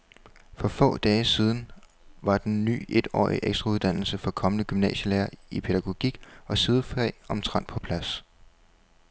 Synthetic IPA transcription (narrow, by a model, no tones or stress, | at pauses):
fɒ̽fɔ̰̽ːd̥ɛːɪsið̞ˠn̩ | ʋɑ̈d̥enːy̰ːʔe̝d̥ɒ̰ːḭʔeɡ̥sd̥ʁɑuð̞ˠd̥æn̰l̩səfɒ̽kʰɒ̽mənəɡ̥ymnɛ̰ːɕəlæːɐipʰe̝ɾ̥æɡ̥o̝ɡ̥iɡ̥ɒ̽sið̞ˠəfʁɛ̰ːɒ̽mt͡sʰʁɑ̈n̰d̥pʰɒ̽pʰlæs